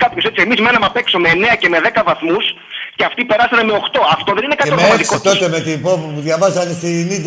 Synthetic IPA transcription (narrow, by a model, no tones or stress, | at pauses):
kɐpço̞se̞t͡siemizmenɐmɐpe̞ksomeːne̞ɐce̞me̞ðe̞kɐvɐθmus | ceɐft̪ipe̞ɾɐsɐneme̞o̞xt̪o̞ɐft̪oðe̞ninekɐteommɐikot̪o̞t̪e̞met̪ipopipuðʝɐvɐzɐnst̪inid̪